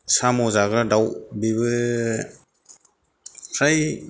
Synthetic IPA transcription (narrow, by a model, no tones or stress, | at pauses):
samɔzaɡɾadawbibɯ | sʰaj